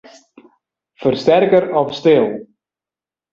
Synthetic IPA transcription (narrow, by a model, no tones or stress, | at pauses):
fərstɛrkəɾɔfstɪlˠ